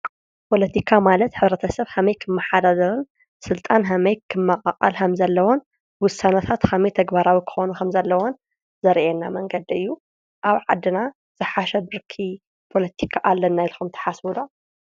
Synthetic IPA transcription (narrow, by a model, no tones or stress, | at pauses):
pʰo̞lɐt̪ʰikʰamalɐt̪ħɨβɾɐt̪ʰɐsɐβhɐmɐjkʰɨmːɐħad̪ad̪ɐɾɨn | sɨlt̪ʼanɦɐmɐjkʰɨmːɐkʼɐ̰qʼa̰lkʰɐmzɐlːɐwon | wʊsanɐt̪ʰat̪kʰɐmit̪ʰɐɡbaɾawikʰɨ̥xonukʰɐmzɐlːɐwon | zɐɾʔɛnːamɐŋɡɐd̪iɨjːu | ʔaβʕad̪ɨna | z̥ɨħaʃɐbɨɾkʰi | pʰo̞lɐt̪ʰikʰaʔalːɐnːajlxumt̪ʰɐ̥ħaswulo